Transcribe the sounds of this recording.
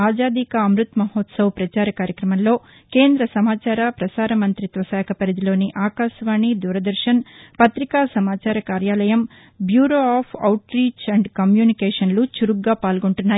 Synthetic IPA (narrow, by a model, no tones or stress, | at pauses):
aːd͡ʒaːd̪ikɐɐmɾut̪mɐɦoːt̪sɐwpɾɐt͡ʃaːɾɐkaːɾjɐkɾɐmɐnlo̞ː | ke̞ːnd̪ɾɐsɐmaːt͡ʃaːɾɐpɾɐsaːɾɐmɐnt̪ɾit̪ʋɐsɛːkʰɐpɐɾid̪ilo̞ːniʔaːkaːʃʋaːɳid̪uːɾɐd̪ɐɾʃɐnpɐt̪ɾikaːsɐmaːt͡ʃaːɾɐkaːɾjaːlɐjɐm | bjuːɾoːaːpʰɐ̰wʈɾiːt͡ʃɐɳɖkɐmjuːnikɛːʂɐnlut͡ʃuɾuɡɡaːpaːlɡoɳʈunːaː